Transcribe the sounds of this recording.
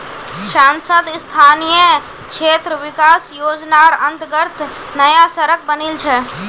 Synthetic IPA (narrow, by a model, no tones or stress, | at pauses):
saːnsəd̪st̪ʰaːnijə | kʃʰeːt̪ɾəʋɪkaːsjoːd͡ʒnaɔɾə̃nt̪ɡəɾt̪ʰ | nəjasəɾək̚ʰbənilt͡ʃʰɛ